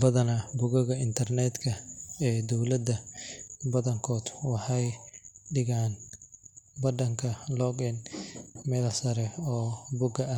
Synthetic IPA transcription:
bɐðɐnɐbʊɣɐɣɐɪnt̪ʰɐrnɛd̪kʰɐɛːd̪ɔwlɐd̪ɐ | bɐðɐŋkʰɔːd̪wɑħɑjɖɪɣaːn | bɐd̪ɐŋkʰɐlɔɡɛnmɛːlɐsɐɾɛɔːbʊɡɐɐ

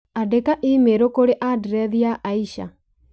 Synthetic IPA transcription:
adekaʔimeɾokoɾeʔadiɾɛðiaʔaiʃa̰

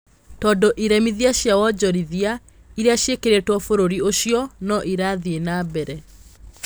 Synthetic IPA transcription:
tɔːndoʔiɾɛmiðiaɕjawɔd͡ʑɔɾiðia | iɾeaɕekeɾetwɔfoɾoɾioɕiɔnɔʔiɾaðienaːbɛɾɛ

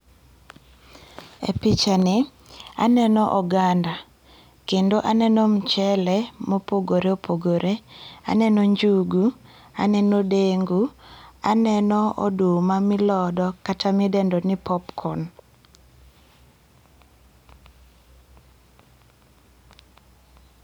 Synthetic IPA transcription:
ḛpit͡ʃanɪ | a̰nɛnɔʔɔɡanda | kendoʔanɛnɔm̩t͡ʃɛlɛmopoɡoɾeopʰoɡoɾʔea̰nɛnɔɲd͡ʒuɡu | a̰nɛnodeŋɡuanɛnɔʔo̰dumamɪlɔdɔkatamidɛndonɪpʰɔpkʰɔn

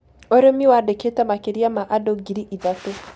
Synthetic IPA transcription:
ɔɾemiwadeketamakeɾiamaʔadɔɡiɾiʔiðate

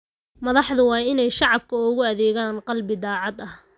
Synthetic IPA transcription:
mɐðɑħðʊwɑːɪnɛjʃɑʕɑb̚kʰɐʊɣʊɐðɛːɣaːnqɑlbɪd̪ɑːʕɑd̪ɐh

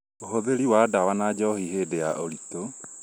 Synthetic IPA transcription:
oɦoðeɾiwadawanad͡ʒɔhiɦedejaʔoɾito

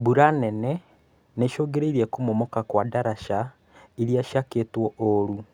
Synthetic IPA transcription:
buɾanɛnɛ | neʃoːɡeɾeiɾiɛkumomɔkakwadaɾaʃa | iɾiaʃakeːtwɔoɾu

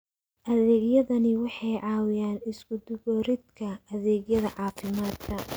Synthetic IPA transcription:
ʔɐðɛːɡjɐðɐnɪwɑħɑjʕɑːwɪjaːnɪskʰʊd̪ʊβɔːɾɪd̪kʰɐɐðɛːɡjɐðɐʕɑːfɪmaːd̪kʰɐ

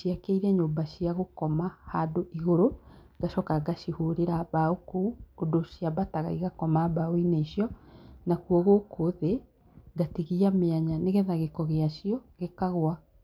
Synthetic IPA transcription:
ʃiakeiɾɛɲoːmbaʃiaɣokɔmahadoʔiɣoɾoɡ̥aʃɔkaɡaʃihoɾeɾaβaokuodoʃjaβataɣa̰iɣakɔmaβaoineiɕjɔnakuɔɣokʰoðe | ɡatiɣiameaɲaneɣeðaɣekɔɣeaʃjɔɣekaɣwa

